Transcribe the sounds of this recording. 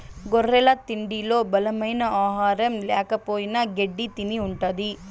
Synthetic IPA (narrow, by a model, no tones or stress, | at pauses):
ɡorːɛlɐt̪iɳɖilo̞ːbɐlɐmɐjnɐaːɦaːɾɐmlɛːkɐpoːjinɐɡeɖːit̪iniuɳʈɐd̪i